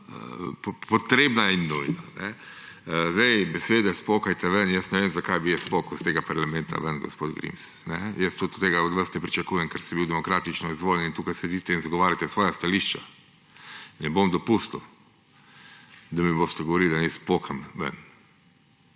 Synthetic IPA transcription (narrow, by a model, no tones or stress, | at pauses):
ə̰ppɔt̪ɾeːbnaɛinːujnanɛ | zd̪ɛjbɛsʋeːd̪ɛspokajt̪ɛʋənjəsnɛʋemzakajbijɛspokɔst̪eːɡapaɾlamɛ̃nt̪ʰa̰ʋənɡɔ̰spoːd̪ɡɾḭms | nɛjəst̪ut̪t̪eːɡaɔd̪ʋəɾst̪ɛpɾit͡ʃakuːjɛŋkɛɾsibiwd̪ɛmɔkɾaːt̪it͡ʃnɔizʋoːljɛnint̪uːkajsɛd̪iːt̪ɛinzaɡɔʋaːɾjat̪ɛsʋɔːjast̪aliʃt͡ʃa | nɛbomd̪ɔpust̪ɔ | d̪amiboːst̪ɛɡɔʋɔɾilʲd̪anispoːkamʋə̰n